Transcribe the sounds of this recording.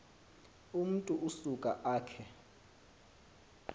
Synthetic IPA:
um̩tʼuʔusukʼaʔaːkʰɛ

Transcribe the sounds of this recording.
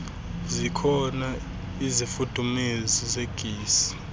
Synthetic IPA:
zikʰɔna | izifud̥ʱumezizeɡ̥ʱiːsi̥

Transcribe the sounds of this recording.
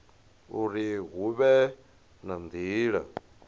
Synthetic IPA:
uɾiɦuβɛ | nand̪iːɺa̰

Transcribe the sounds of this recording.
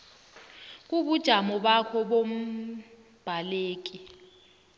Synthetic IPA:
k̬ʼuɓud̥ʒ̥ʱamɔɓakʰɔɓom̩ | b̥ʱaleːk̬ʼi

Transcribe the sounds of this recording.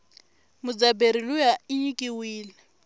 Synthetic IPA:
mʊd͡zabeɾilʊjaɪɲikʼɪwiːlɛ

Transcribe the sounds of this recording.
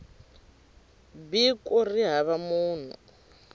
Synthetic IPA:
bikʼuriɦaβamuːn̤ṵ

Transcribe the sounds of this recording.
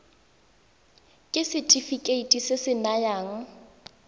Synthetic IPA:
kʼɪsɪtʼifikʼeitʼisɪsɪnajaːŋ̩

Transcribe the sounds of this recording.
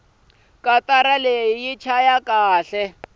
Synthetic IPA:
kʼataɾaleijit͡ʃʰajakʼaːɬɛ

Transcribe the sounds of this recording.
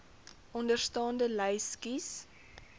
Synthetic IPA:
ʔɔndərstɑːndələjskis

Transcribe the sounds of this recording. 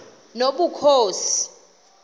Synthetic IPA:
noɓukʰoːsi̥

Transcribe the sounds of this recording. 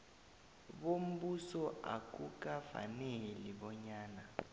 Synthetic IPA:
ɓom̩busɔa̰k̬ʼuk̬ʼafa̰neliɓɔɲaːna

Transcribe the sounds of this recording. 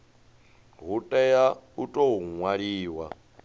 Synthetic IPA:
ɦutʼɛjautʼouŋwaɺiːwa

